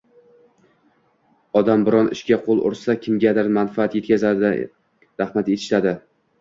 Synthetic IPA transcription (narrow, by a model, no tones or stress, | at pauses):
ɒd̪ambɪɾɒnɪ̰ʃkʲaqʰolˠʊ̰ɾsakʲʰɪmɡʲad̪aɾmanfaat̪jet̪kʲʰazad̪ | ɾahmat̪et̪ʰɪ̥ʃt̪ad̪ɪ